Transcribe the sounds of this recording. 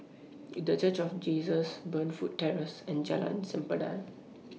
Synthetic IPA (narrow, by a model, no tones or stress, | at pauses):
dət͡ʃət͡ʃɔfd͡ʒiːsəsbə̃nfut̚tːɛɹəsɛ̃nd͡ʒalã̰nsɛ̃mpəda̰n